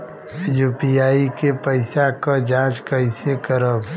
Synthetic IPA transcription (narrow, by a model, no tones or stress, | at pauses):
jupijaːikepəɪsakad͡ʒaːd͡ʒkəɪsekəɾəb